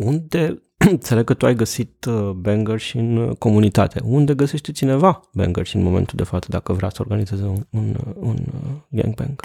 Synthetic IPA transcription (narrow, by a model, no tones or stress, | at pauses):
und̪e̞ | ɨt̪se̞leɡ̚kət̪uajɡəsit̪beŋɡərʃiɨnko̞munit̪a̰t̪e̞̰und̪e̞ɡəseʃt̪et͡ʃine̞vabḛŋɡərʃiɨ̰nmo̞ment̪uld̪e̞fat̪səd̪akəvɾʲasəorɡanizezenununɡḛŋɡ̚bḛŋɡ